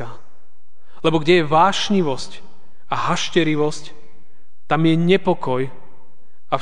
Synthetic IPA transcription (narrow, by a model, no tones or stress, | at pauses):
a | lɛbɔɡɟɛjɛʋaːʃɲiʋɔsc | aɦaʃcɛɾiʋɔsc | t̪amjɛɲɛpɔkɔj | a